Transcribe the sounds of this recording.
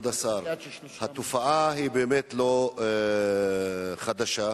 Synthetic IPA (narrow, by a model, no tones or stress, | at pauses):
d̪asaɾ | hat̪ofaʔaɦibeːmet̪lo̞ | χad̪aʃa